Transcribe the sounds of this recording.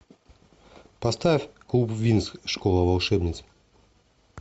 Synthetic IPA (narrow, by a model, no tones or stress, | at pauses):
pɐst̪afʲklˠupvʲinskʂkolˠəvɐlˠʂɛbnʲɪt̪s